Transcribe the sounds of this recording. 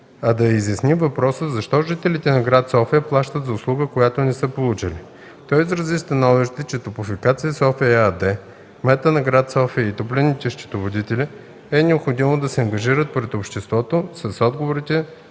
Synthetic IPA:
ɐd̪ɐizjɐsnimvɐpɾɔsəzɐʃt̪ɔʒit̪ɛlit̪ɛnɐɡɾat̪sɔfijəplˠaʃt̪ət̪zɐʊslˠuɡəkojat̪onɛsɤpolˠut͡ʃili | t̪ɔjizɾəzist̪ɐnɔviʃt̪ɛt͡ʃɛt̪opʊfikat̪sijəsɔfiad̪ɛ | mɛt̪ənɐɡɾat̪sɔfijəit̪oplʲɛnit̪ɛʃt͡ʃ̪ɛ̥t̪ovod̪it̪ɛlʲi | ɛnɛopxod̪imod̪ɐsɛɐŋɡɐʒiɾət̪̚pɾɛt̪opʃt̪ɛst̪vɔt̪osɐsɔd̪ɡovoɾit̪ɛ

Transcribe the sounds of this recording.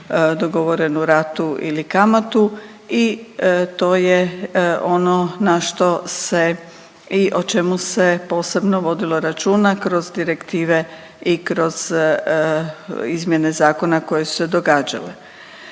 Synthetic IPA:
d̪oɡo̞ʋo̞ɾe̞nuɾat̪uʔḭlikamat̪u | it̪o̞ːjeʔo̞no̞naʃt̪o̞se | iʔo̞t͡ʃe̞muse̞po̞ːse̞bnoʋo̞d̪ilo̞ɾat͡ʃuːnakɾo̞zd̪iɾekt̪iːʋe̞ | ikɾo̞z̥ | izmjene̞zaːko̞nako̞je̞su̥sed̪o̞ɡaːd͡ʒa̰le

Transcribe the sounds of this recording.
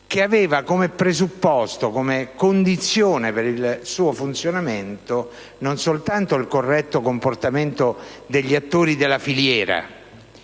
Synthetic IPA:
keaveːvakomepɾezupːɔst̪okomekond̪it̪sːjoːnepeɾilsuːofunt̪sjonament̪o | nonsolt̪ant̪oilkorːɛt̪ːokomport̪ament̪od̪eʎːiat̪ːoːɾid̪elafiljɛːɾa̰

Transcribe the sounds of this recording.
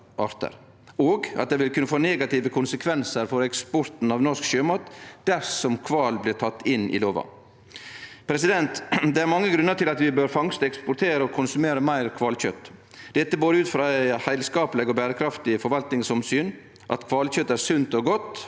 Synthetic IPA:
ʔɑɾt̪ə̰ɾ | oːɡɑt̪̚d̪ɛʋɪlkʉnːəfoːnɛːɡɑt̪ɪːʋəkʰʊnsəkʰʋɛnsəɾfɔɾɛkspɔɾt̪n̩ɑʋnɔʂkʃøːmɑːt̪d̪̥æɾsɔmkʰʋɑːlblɪːʈʰɑt̪ːɪnːɪ̰loːʋɑ̰ | pʰɾɛsɪd̪ɛnt̪d̪ɛæɾmɑŋːəɡɾʉnːəʈʰɪlɑt̪ʋɪbøːɾfɑŋst̪ɛkspʊɾʈ̪ʰeːɾəɔkʰʊnsʉmeːɾəmæɪɾkʰʋɑːlçœt̪ː | d̪̥ɛt̪ːəboːd̪əʉːt̪fɾɑæɪhæɪlskɑːpəlɪɡɔːbæːɾəkʰɾɑft̪ɪfɔɾʋɑlt̪nɪŋsɔmsyːn | ʔɑ̰t̪kʰʋɑːlçœt̪ːæɾsʉnt̪ɔɡɔt̪ː

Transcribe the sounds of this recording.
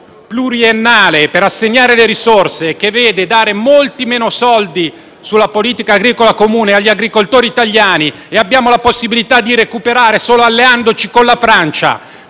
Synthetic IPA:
pluɾienːaːlepeɾasːeɲːaːɾeleɾisorsekevːeːd̪ed̪aːɾemolt̪imeːnosɔld̪i | sulːapoliːt̪ikaːɡɾiːkolakomuːneaʎːiaɡɾikolt̪oːɾiːt̪aʎːaːni | eabːjaːmolaposːibilit̪ad̪ːiɾekupeɾaːɾesoːloalːeand̪ot͡ʃikonlafɾant͡ʃa̰

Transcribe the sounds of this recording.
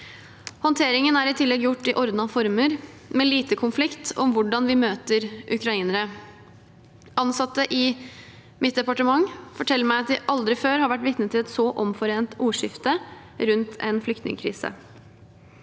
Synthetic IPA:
hɔnt̪ʰeːɾɪŋənæɾɪt̪ʰɪlːɛɡjʊʈːɪʔɔɾd̪nɑfɔɾməɾ | meːliːt̪əkʰʊnflɪkt̪ʰɔmʋʊɖɑnʋɪmøːt̪əɾʔʉkʰɾɑiːnəɾə | ɑnsɑt̪ːəʔɪ | mɪt̪̚d̪ɛpɑʈəmɑŋfɔʈʰɛlːəmæɪɑt̪ʋɪʔɑld̪ɾɪføːɾhɑɾʋæʈːʋɪt̪nət̪ʰɪlɛt̪sɔʔɔmfɔɾeːnt̪uːʂɪft̪ə | ɾʉnt̪ʰɛ̰nflʏk̚t̪nɪ̰ŋəkʰɾḭːsə̰

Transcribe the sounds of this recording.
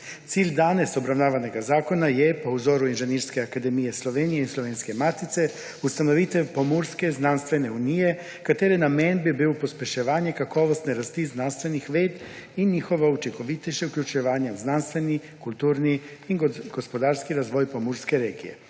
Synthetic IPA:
t̪siːlʲd̪aːnesobɾawnaːʋaneɡazaːkonajɛpowzoːɾuinʒeniɾskɛakad̪emijesloʋeːnijeisloʋeːnskemat̪it̪sɛ | ust̪anoʋit̪ɛpomuɾskeznanst̪ʋeneunijɛ | kat̪eːɾɛnamenbibipospʲjeʃeʋaːnjekakoːʋost̪nɛɾast̪iznanst̪ʋenixʋeːd̪ | inɲixoʋaut͡ʃiŋkoʋit̪ɛʃeukʎʲut͡ʃɛʋaːɲjauznanst̪ʋeni | kulʲt̪uːɾniinɡ̥ospod̪aːɾskiɾazʋojpomuɾskeɾeːɡḭjḛ

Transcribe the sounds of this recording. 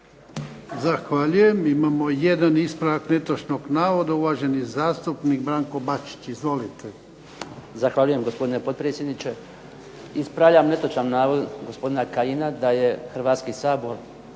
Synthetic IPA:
zaxʋaʎuje̞mimamoje̞d̪anispɾaʋakne̞t̪oʃno̞ɡnaːʋo̞d̪auʋaʒe̞nizaːst̪upniɡbɾaːŋko̞bat͡ʃi̥t͡ɕizʋo̞lit̪e | zaxʋaːʎujemɡospod̪inepo̞d̪̚pɾeːsʲjed̪nit͡ʃe | ispɾaʋʎamne̞t̪ot͡ʃamnaːʋod̪ɡospo̞d̪inakajinad̪aje̞xr̩ʋaːt̪skisaːboɾ

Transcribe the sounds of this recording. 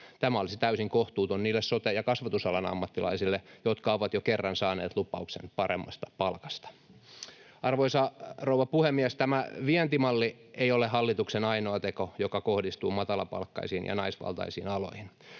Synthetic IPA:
t̪æmæolisit̪æysiŋkoht̪uːt̪onniːlːessot̪ejɑkɑsʋɑt̪usɑlɑnɑ̰mːɑt̪ːilɑ̰isilːejot̪kɑoʋɑt̪jokerːɑnsɑːnḛːt̪lupˑɑuksḛnpɑremːɑ̰st̪ɑ̥pɑlkɑst̪ɑ̥ | ɑrʋoisɑrouwʋɑpuhemːiæst̪æmæʋient̪imɑlːieiolehɑlːit̪uksenɑinoɑt̪ekojokɑkohdist̪uːmɑt̪ɑlɑpɑ̰lkːɑ̰isiːnjɑ̰nɑisʋɑ̰lt̪ɑ̰isḭːnɑlo̰ihin

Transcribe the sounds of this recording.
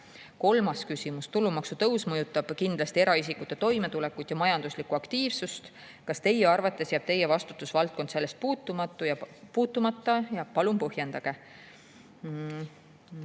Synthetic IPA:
ko̞lmɑskysʲimust̪ulːumɑksut̪ɤwsmɤjut̪ːˑɑb̥kind̪̥lɑst̪ie̞ɾɑis̬ikːˑut̪ːˑe̞t̪o̞jme̞t̪ulɛkud̪̥jɑmɑjɑnd̪̥uslikːˑuɑkt̪iːvsust̪ | kɑst̪e̞jːeɑrvɑt̪ːˑe̞sjæːb̥t̪e̞je̞vɑst̪u̥t̪ːˑusvɑlt̪̚kond̪se̞lːe̞st̪̚puːt̪ːˑumɑt̪ːˑujɑpuːt̪ːˑumɑt̪ːˑɑjɑpɑlumpɤhje̞nd̪̥ɑɡ̥e̞

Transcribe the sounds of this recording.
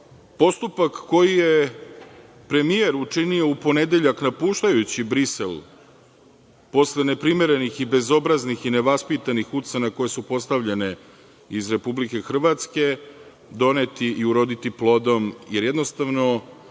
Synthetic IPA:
po̞st̪upakːo̞jije̞ | pɾe̞mije̞ɾut͡ʂinioupo̞ne̞d̪e̞ʎaknapuːʃt̪ajut͡ɕibɾise̞l | po̞slene̞pɾime̞ɾe̞nixibe̞zo̞bɾaznixine̞ʋaspit̪anixut̪senako̞je̞supo̞st̪aʋʎene̞ | izɾe̞publike̞xr̩ʋat̪ske̞ | d̪o̞net̪iʔiuɾo̞d̪it̪iplˠo̞d̪o̞mjeɾjed̪nost̪aʋno̞

